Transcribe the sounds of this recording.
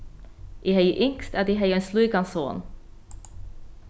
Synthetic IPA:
ʔiːhœʏəʔʏŋkst̪æːd̪iːɦœʏensluːɡɑnsoːn

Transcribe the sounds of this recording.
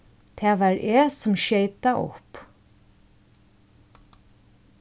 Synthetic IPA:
t̪ʰæːʋɑːɹʔeːsɔmʃœɪt̪aʔʊ̰p

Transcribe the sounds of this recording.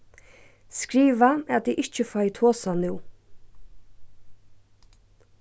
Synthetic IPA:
skɾiːʋaad̪iʔɪht͡ʃɪfajt̪ʰoːsanʉw

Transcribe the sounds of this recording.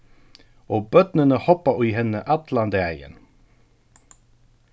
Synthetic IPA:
oːbœt̪nənəhɔpɑiːhɛnəʔɑt̪lɑnd̪eæjə̰n

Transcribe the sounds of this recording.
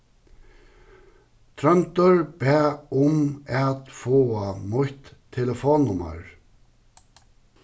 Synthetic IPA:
t̪ʰɾœnt̪əɹbæːʊmæːt̪foːamʊht̪ʰːɛləfoːnʊma̰ɹ

